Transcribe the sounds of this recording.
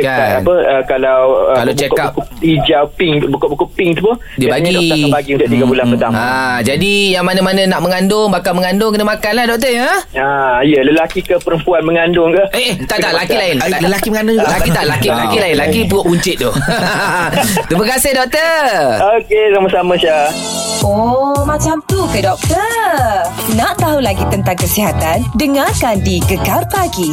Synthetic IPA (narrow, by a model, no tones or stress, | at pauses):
kaanpəəkalawəkalat͡ʃakkapkid͡ʒawpɪŋbukoʔbukuʔpɪŋt̪upʊ | dibaɲɡidɔəbaɡiunt̪ʊʔt̪iɡabulanpət̪amad͡ʒadijaŋmanãmanãnaʔməŋandʊŋbakalməŋandʊŋkənəmakanlahdɔk̚t̪əjəaijələlakikəpəɾəmpuanməŋandʊŋkəʔeʔt̪aʔt̪aʔlakilaɪnləlakiməŋandʊlakit̪aʔlakilakilaɪnlakip̬uʔuɲt͡ʃɪt̪̚d̪ʊh | t̪ɾiməkasɪɦdɔk̚t̪əokesamasamə̃ʃa | omãt͡ʃamt̪ukədɔk̚t̪ə | naʔt̪aɦulaɡit̪ənt̪aŋkəsiɦat̪andəŋakandikəkarpaɡi